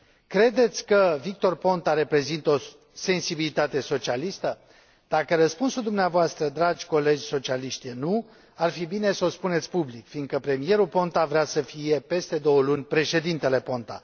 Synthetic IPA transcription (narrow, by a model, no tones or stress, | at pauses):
kɾe̞d̪e̞t̪sʲkəvik̚t̪o̞rpo̞nt̪aɾe̞pɾe̞zint̪o̞ | se̞nsibilit̪at̪e̞so̞t͡ʃialist̪ə | d̪̥akəɾəspunsuld̪umneavoast̪ɾəd̪ɾad͡ʒʲko̞le̞d͡ʒʲso̞t͡ʃialiʃt̪jenu | arfibine̞səo̞spune̞t̪sʲpublikfind̪̚kəpɾe̞mije̞ɾupo̞nt̪avɾeasəfije̞pe̞st̪e̞d̪o̞wəlunʲpɾe̞ʃe̞d̪int̪e̞le̞po̞nt̪a̰